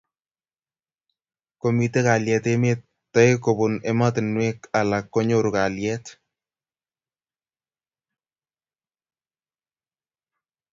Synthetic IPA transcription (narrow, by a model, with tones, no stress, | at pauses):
komi˨te˦ka˨ljɛ˨t̪emetːɔ˦jko˨bʊ˨nɛ˦ma˦t̪ɪ˨nwe˦ka˨lakːɔ˦ɲoɾu˨ka˨ljɛːt